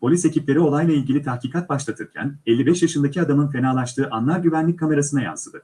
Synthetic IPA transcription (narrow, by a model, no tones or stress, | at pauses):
pʰo̞lʲise̞ciplʲe̞ɾio̞lˠajlˠailʲɟilʲit̪ʰahciːkʰat̪̚baʃlˠat̪ʰɯɾcʰæ̰nelʲːibɛʃjaʃɯnd̪acʰiad̪amɯnfe̞naːlˠaʃt̪ɯːʔanlˠaɾɟyvænlʲic̚kʰːame̞ɾasɯnaja̰nsɯd̪ɯ